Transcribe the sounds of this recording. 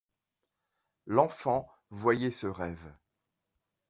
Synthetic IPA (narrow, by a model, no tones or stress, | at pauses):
lɑ̃fɑ̃ | vwajɛsəʁɛv